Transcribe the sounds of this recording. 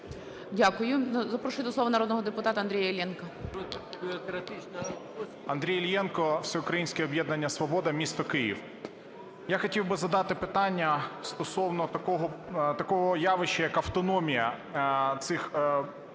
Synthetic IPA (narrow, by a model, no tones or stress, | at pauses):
dʲakʊjʊzɐpɾɔʃʊɪt̪ɪslˠɔʋɐnɐɾɔd̪nɔɦɔd̪epʊt̪ɑt̪ɐnd̪ɾʲijɐlʲjɛnkɐbʲɪɔkɾɐt̪ɪt͡ʃnɐ | ɐnd̪ɾʲijlʲjɛnkɔwsʲɛʊkɾɐjinʲsʲkʲɛɔbjɛd̪nɐnʲːɐsʋɔbɔd̪ɐmʲist̪ɔkɪjḭw | jaxɔtʲiwbɪzɐd̪ɑt̪ɪpɪt̪ɑnʲːɐst̪ɔsɔwnɔt̪ɐkɔɦɔt̪ɐkɔɦɔjɑʋɪʃɛjɐkɐwt̪ɔnɔmʲijɐ | t̪sɪx